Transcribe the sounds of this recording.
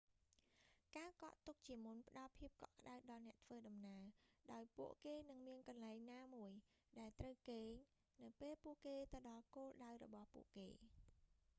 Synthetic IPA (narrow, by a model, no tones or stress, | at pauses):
kaːkɑ̰ʔt̪uk̚t͡ɕiəmunpə̆ɗɑlpʰiəp̚kɑʔkə̆ɗawɗɑlnɛ̆əʔt̪ʰʋəːɗɑmnaəɗaɔjpuəʔkeːnɨŋmiənkɑnlaɛŋnaːmuəj | ɗaɛlt̪rəwkeːɲ | nɨwpeːlpuəʔkeːt̪ɨwɗɑlkoːlɗawrɔ̰ɓɑhpṵəʔkḛː